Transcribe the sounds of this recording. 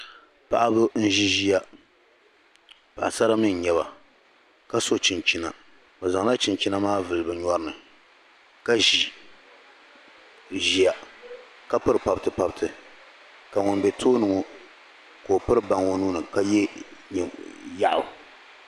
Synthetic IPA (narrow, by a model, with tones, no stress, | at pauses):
pa˦˨ʔa˦bʊ˦n̩˦ʒi˦ʒi˦ja˦ | pa˨ʔa˨sa˦ɾa˦mi˦n˨ɲɛ˦βa̰˨ | ka˦so˦t͡ʃi˨nt͡ʃi˦na̰˨ | bɛ˨za˨ŋla˦t͡ʃi˨nt͡ʃi˦na˦maː˦vɨ˨lɨ˨bɨ˨ɲɔ˦ɾɨ˦nɨ˨ | ka˦ʒi˨ | ʒi˦ja˨ | ka˦pɨ˦ɾɨ˨pa˦btɨ˦pa˦btʰɨ˨ | ka˨ŋʊ˨nbɛ˨tʰoː˦nɨ˨ŋo˨ | koː˨pɨ˦ɾɨ˦ba˨ŋo˦nuː˦nɨ˨ka˦jɛ˦ɲ˨ja˦ʔʊ̰˨